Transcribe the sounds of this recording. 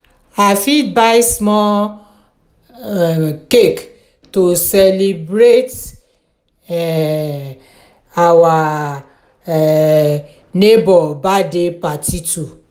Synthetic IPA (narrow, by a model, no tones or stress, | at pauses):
afibajsmɔ | kek | tosɛlibɾet | awa | nebɔbadepatitu